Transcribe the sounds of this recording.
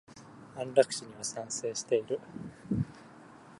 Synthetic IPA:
ãnɾakɯ̟̥ɕiɲ̟iβasãɰ̃se̞ːɕi̥t̪e̞iɾɯ̟

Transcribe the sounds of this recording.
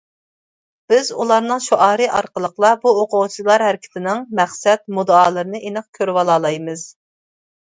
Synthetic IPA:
b̥ɪzṵlˠɑɾnɨŋʃuʔɑːɾɨʔɑɾqəlˠəqlˠɑbuoqʊʁt͡ʃʰilˠɑɾhæɾɪkʲʰɪ̥t̪ʰɪnɪŋmɛχsɛt̪̚mud̪ɑːlˠɨɾɨnɨʔenɨq̚kʲʰøɾwɑlˠɑːlˠɑjmɨz̥

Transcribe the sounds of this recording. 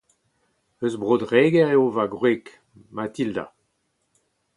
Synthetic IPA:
øzbʁod̪ʁeːɡɛʁeovaɡʁek | mat̪ild̪a̰

